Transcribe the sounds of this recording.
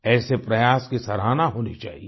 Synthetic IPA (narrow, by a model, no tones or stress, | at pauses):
ɛːsepɾɐjaːskisɐɾaːnaɦoːnet͡ʃa̰ːɦie